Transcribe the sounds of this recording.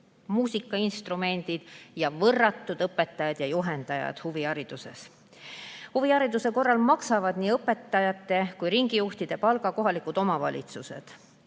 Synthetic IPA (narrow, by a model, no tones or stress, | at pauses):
muːsikːˑɑinst̪rume̞nʲd̪̥id̪̥jɑvɤrːɑt̪ːˑud̪̥ɤpːˑe̞t̪ːˑɑjɑd̪̥jɑjuɦe̞nd̪̥ɑjɑ̰d̪̥huviɑɾid̪̥use̞̰s | huviɑɾid̪use̞ko̞rːɑlmɑksɑvɑd̪̥niːɤpːe̞t̪ːˑɑjɑt̪ːˑe̞kujɾiŋɡijuht̪id̪̥e̞pɑlɡɑko̞ɦɑlikud̪̥o̞mɑvɑ̰lʲḭt̪suse̞̰d̪̥